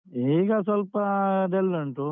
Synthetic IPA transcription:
iːɡɐsɐlpɐd̪elːɐɳʈu

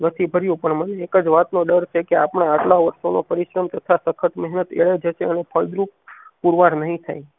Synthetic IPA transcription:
nət̪ʰibʱəɾjũpəɳməneːkəd͡ʒʋat̪noɖəɾt͡ʃʰekeapɳ̃aːʈlaʋəɾʃono̰pəɾiʃɾəmt̪ət̪ʰasəkʰəʈ̪mɛɦnət̪ḛɭed͡ʒəʃeənepʰəld̪ɾuppuɾʋaɾnəɦĩt̪ʰa̰j

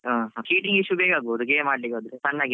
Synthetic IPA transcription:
ãɦkiːʈiŋɡiʃubeːɡaːɡboːd̪ukemaːɖlikod̪ɾesɐnːaːɡi

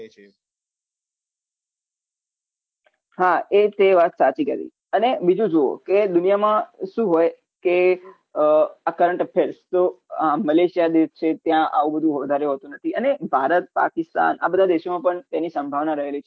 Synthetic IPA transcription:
ɦaet̪eʋat̪sat͡ʃikəɾḭ | ənebid͡ʒũd͡ʒoo̰ked̪unijamãʃũɦoj | ke | akəɾəɳʈəpʰeɾst̪oaməleʃijad̪est͡ʃʰet̪jãʔa̰ʋũbəd̪ʱũɦʋəd̪ʱaɾeɦot̪ũnət̪ʰiənebʱaɾət̪̚pa̰kɪst̪a̰na̰bəd̪ʱad̪eʃomãpəɳt̪enisə̃mbʱaʋnaɾəɦelit͡ʃʰ

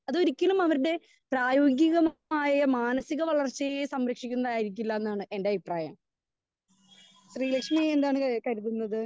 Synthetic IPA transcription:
ɐðo̞ɾikʲːɐlumɐʋɐɾuɽe̞ | praːjo̞ːɡjɐɣɐmaːjɐmaːnɐsiɣɐʋɐɭɐrt͡ɕːɐesɐmɾɐkʂikʲːunːɐðaːjiɾikʲːulːɐenːaːɳɨʔe̞ndeɐbipraːjɐ̰m | ɕriːlekʂmiend̪aːɳɨkɐɾut̪ːunːɐðɨ

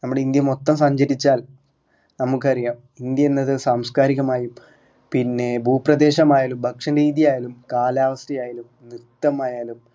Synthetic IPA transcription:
nɐmːuɽeind̪jɐmo̞t̪ːɐmsɐɲd͡ʑɐɾit͡ɕːaːl | nɐmuk̬ːɨɐrijaːm | ind̪jɐenːɐðɨsaːmskaːɾiɣɐmaːjum | pinːe̞bʱuːprɐd̪e̞ːɕɐmaːjaːlumbʱɐkʂɐnɾiːðijaːjɐlumkaːlaːʋɐstɐjaːjalum | nit̪ːɐmaːjaːlum

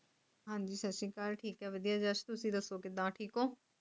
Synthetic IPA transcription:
ɦãːɲd͡ʒiːsətːʃĩːkalʈʰiːkɦɛːʋəd̪ijaːd͡ʒat͡ʃt̪ʊsĩːd̪əsːoːkɪd̪ãːʈʰiːkoː

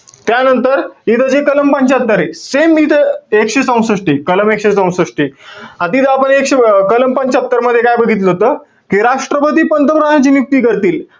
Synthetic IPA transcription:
t̪janənt̪əɾit̪ʰəd͡ʑekələmpəɲt͡ɕat̪ːəɾesemːiːt̪ʰəekɕesə̃w̃sɾəʂʈikələmekɕesə̃w̃səʂʈiːat̪iːt̪apəɳekɕekələmpəɲt͡ɕat̪ːəɾməd̪ʱːjekajbəɡʱit̪ləɦot̪əː | kiːɾaʂʈɾəpət̪iːpənt̪əpɾəɳjãt͡ɕiːnjuk̚t̪iːkəɾt̪iːl

